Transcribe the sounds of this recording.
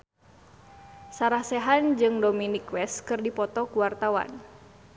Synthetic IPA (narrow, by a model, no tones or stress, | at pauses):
saɾahsɛɦand͡ʒɨŋdominikwɛskɨrdipɔt̪ɔkuwart̪awa̰n